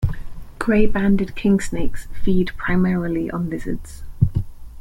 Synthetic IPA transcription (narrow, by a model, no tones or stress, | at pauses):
ɡ̥ɹeɪbãndɪd̚kʰɪ̃ŋsneɪksfiːdpʰɹ̥aɪmɛːɹəliʔə̰̃nvɪzə̰dz̥